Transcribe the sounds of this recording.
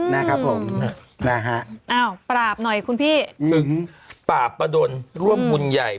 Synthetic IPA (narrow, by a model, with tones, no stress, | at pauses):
na˦˥kʰa˦˥pʰːo˩˦m˥na˦˥˩ɦa˦˥ʔʔaː˧˩wpɾaː˨˩p̚nɔ˨˩jkʰu˧npʰiː˥˩pʰɯ˨˩˦paː˨˩pːa˧du˧nɾu˥˩əmːu˧nja˨˩j